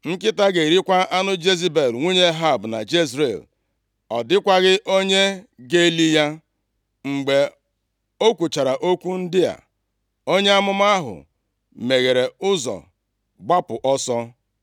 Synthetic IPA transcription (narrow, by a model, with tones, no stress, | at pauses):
ŋ̩˦kɪ˦ta˦ɡe˨ɾi˦kʷa˦a˦nʊ˦d͡ʒe˦zi˦be˨lŋʷu˦ɲe˦ɦa˦˨bna̰˨d͡ʒe˦zɾḛ˨l | ɔ˨dɪ˦kʷa˦ɣɪ˦ʔo˦ɲe˦ɡe˦li˦ja˦ | ŋ͡m̩˨ɡ͡be˨ | o˦kʷu˨t͡ʃa˨ɾa˨ʔo˦kʷu˦n̩˦dɪ˦a̰˨ | o˦ɲe˦a˦mʊ˦ma˦a˦ɦʊ̰˨ | me˨ɣe˨ɾe˨ʊ˦zɔ̰˨ | ɡ͡ba˦pʊ˨ʔɔ˦sɔ˦